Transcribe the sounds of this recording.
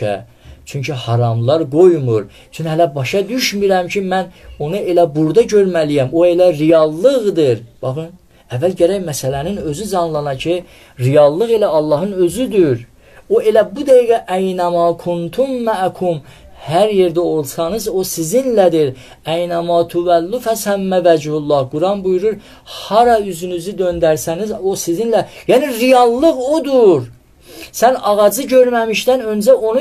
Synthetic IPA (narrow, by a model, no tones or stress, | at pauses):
æ̰ | t͡ʃʰyɲcʰihɑɾɑmlˠɑɾɡo̞jmuɾ | t͡ʃʰynhælæbɑʃɑd̪yʃmyɾæmcʰimæno̞nɑe̞læbuɾd̪ɑɟø̞ɾmælijæmo̞e̞læɾijɑlˠːɯɣd̪ɯɾb̥ɑxɯn | ævːælɟæɾæjmæsælæninø̞zyd͡ʒɑnlˠɑnɑcʰi | ɾijɑlˠːɯɣe̞læɑlˠːɑɦɯnø̞zyd̪yɾ | o̞e̞læbud̪æjiɡæʔæjnæmɑːkʰunt̪ʰumːæʔkʰum | hæɾjeɾd̪æo̞lˠsɑnɯzo̞sizinlæd̪iɾ | æjnæmɑːt̪ʰuvælːufæsæmːævæd͡ʒhulˠːɑhɡuɾɑnbujuɾuɾ | hɑɾɑyzynyzyd̪ø̞nd̪æɾsænizo̞sizinlæjæːniɾijɑlˠːɯɣod̪uɾ | sænɑɣɑd͡ʒɯɟø̞ɾmæmiʃt̪ænø̞nd͡ʒæo̞nu